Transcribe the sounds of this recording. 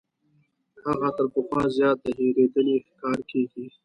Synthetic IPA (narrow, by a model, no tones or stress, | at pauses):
haɣat̪əɾpəxwɑ̃zjɑːt̪ːaɦiɾeːd̪əlixkɑːɾkeːɡi